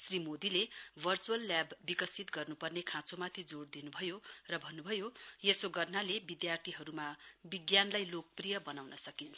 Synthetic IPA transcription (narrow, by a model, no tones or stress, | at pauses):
srimod̪ilebʱʌrt͡suʌlːjabːikʌsit̪ɡʌrnupʌrnekʰãt͡somat̪ʰid͡zoɽd̪inubʱʌjorʌbʱʌnːubʱʌjojesoɡʌrnalebid̪jart̪ʰiɦʌɾumabiɡjanlajlok̚prijʌbʌnawnʌsʌkint͡sʰʌ